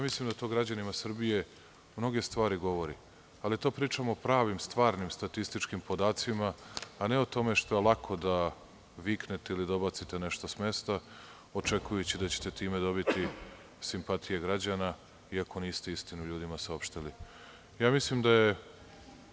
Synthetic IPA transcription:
jaːmislˠimd̪at̪o̞ːɡɾad͡ʑanimasr̩bije̞ | mno̞ɡe̞st̪ʋaːɾiɡo̞ʋo̞ɾḭ | alit̪o̞ːpɾiːt͡ʂamopɾaːʋimst̪ʋaːɾnimst̪at̪ist̪it͡ʃkimpo̞d̪aːt̪simaːne̞ot̪o̞me̞ʃt̪o̞elˠakʰo̞d̪a | ʋikne̞t̪e̞ilid̪obat̪sit̪ene̞ʃt̪osme̞st̪a | o̞t͡ʂe̞kujut͡ɕid̪at͡ɕe̥t̪et̪iːmed̪o̞bit̪i | simpat̪ʰije̞ɡɾad͡ʑana | iako̞niːst̪e̞ist̪inuʎuːd̪imasao̞pʃt̪ili | jaːmislimd̪aje

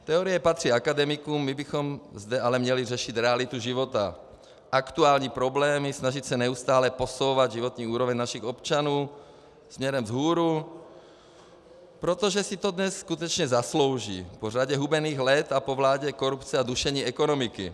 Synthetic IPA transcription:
t̪ɛɔɾijɛpat̪r̥iːakad̪ɛmikumːibixɔmzd̪ɛalɛmɲɛlirɛʃit̪ɾɛalit̪uʒiʋot̪a̰ | ʔakt̪uaːlɲiːpɾɔblɛːmisnaʒicsɛnɛust̪aːlɛposowʋaɟ̪ʒiʋɔt̪ɲiːuːɾɔʋɛɲnaʃiɣɔpt͡ʃanuː | smɲɛɾɛmzɦuːɾu | pɾot̪ɔʒɛsit̪ɔd̪ɲɛsskut̪ɛt͡ʃɲɛzasloʊʒḭːporaɟɛɦubɛniːɣlɛt̪apoʋlaːɟɛkoɾupt͡sɛad̪uʃɛɲiːɛkɔnɔmikḭ

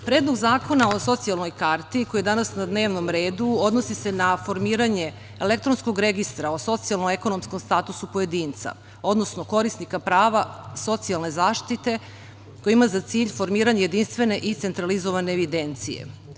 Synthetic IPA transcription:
pɾe̞ːd̪lˠoɡzaːko̞nao̞so̞t̪sialno̞jkaɾt̪iko̞jed̪anasnad̪ne̞ːʋnomɾe̞ːd̪uo̞d̪no̞sise̞nafo̞ɾmiːɾaɲe̞ː | le̞k̚t̪ɾonskoɡɾe̞ɡist̪ɾaoso̞t̪sialˠnoeko̞no̞msko̞mst̪aːt̪usupoje̞d̪iːnt̪sa̰ | o̞d̪no̞sno̞ko̞ɾisnikapɾaːʋaso̞t̪sialˠne̞zaːʃt̪it̪e̞ | kojiimazat̪siːʎfo̞ɾmiːɾaɲeje̞d̪inst̪ʋe̞ne̞ʔit̪se̞nt̪ɾalizo̞ʋaneːʋid̪e̞nt̪sijḛ

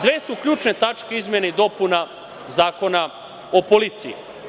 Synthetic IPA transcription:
d̪ʋeːsukʎuːt͡ʃne̞t̪at͡ʃkeizmʲjeneid̪o̞puna | zaːko̞na | opolit̪siḭ

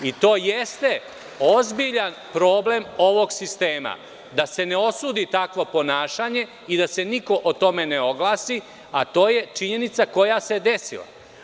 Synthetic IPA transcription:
it̪o̞ːjest̪e̞ | o̞zbiʎan | pɾo̞ːble̞mo̞ʋo̞ɡsist̪e̞ːma̰ | d̪ase̞neo̞suːd̪it̪akʋo̞po̞naːʃaɲe̞ | id̪ase̞niko̞ʔot̪o̞me̞neo̞ɡlaːsi | at̪o̞ːje̞t͡ʃiɲe̞nit̪sako̞jase̞d̪e̞sḭlˠa̰

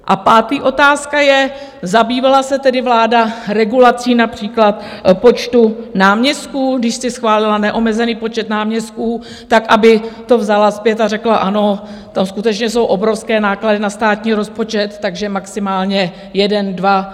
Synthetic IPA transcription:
ʔapaːt̪iːʔo̞t̪aːskajɛ | zabiːvalasɛt̪ɛdɪvlaːdaɾɛɡulat͡siːnapr̝̥iːklat̪po̞t͡ʃt̪unaːmɲɛst̪̚kuːdɪʃst̪ɛsxvaːlɪlanɛʔo̞mɛzɛniːpo̞t͡ʃɛt̪naːmɲɛst̪kuː | t̪akʔabɪt̪o̞vzalaspjɛt̪arɛklaʔano̞ | t̪amskut̪ɛt͡ʃɲɛso̞wʔo̞bɾo̞fskɛːnaːkladɪnast̪aːt̪ɲiːɾo̞spo̞t͡ʃɛt̪ːaɡʒɛmaksɪmaːlɲɛ | jɛdɛndva

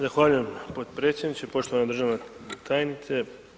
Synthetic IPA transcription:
zaxʋaːʎuje̞mpo̞t̪pɾe̞t̪sʲjed̪nit͡ʃepo̞ʃt̪oanad̪r̩ʒaːʋnet̪ʰajenit̪se

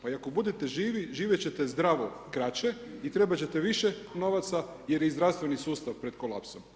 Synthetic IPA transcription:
paiako̞bud̪et̪eʒiːʋiʒiːʋjet͡ɕe̞t̪e̞zd̪ɾaːʋo̞kɾat͡ɕeit̪ɾe̞bat͡ɕe̞t̪eʋiʃeno̞ʋat̪sa | jeɾjezd̪ɾast̪ʋe̞nisuːst̪aʋpɾe̞d̪kolˠa̰ːpsom

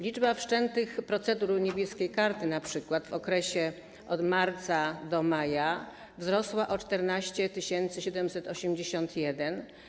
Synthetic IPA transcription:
lʲid͡ʐbafʂt͡ʂɛnt̪ɘxpɾɔt̪sɛd̪uɾɲebʲjɛskʲejkaɾt̪ɘnapʂɘkwat̪vɔkɾɛɕɛ | ɔd̪maɾt̪sad̪ɔmaja | vzɾɔswaʔɔt͡ʂt̪ɛɾnaɕt͡ɕɛt̪ɘɕɛnt̪sɘɕɛd̪ɛmsɛt̪ɔɕɛmd͡ʑeɕɔnt̪jɛd̪ɛn

